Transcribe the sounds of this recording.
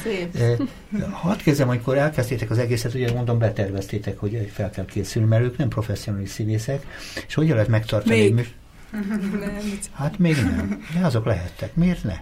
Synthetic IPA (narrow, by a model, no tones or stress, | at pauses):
hɒst̪kezd̪ɛmɒmikoɾɛlkɛst̪eːt̪ɛkɒzɛɡeːsɛt̪uɟɛmond̪o̞mbɛt̪ɛrvɛst̪eːt̪ɛkho̞ɟøfɛlkɛlkʰeːsylnimɛɾøːknɛmpro̞fɛsːijonaːliʃsineːsɛkːʃho̞ɟɒlːɛt̪mɛkt̪ɒrt̪ɒniɛmy | hat̪meːɡnɛ̰md̪ɛɒzo̞klɛɦɛt̪ːɛkmeːrt̪nɛ̰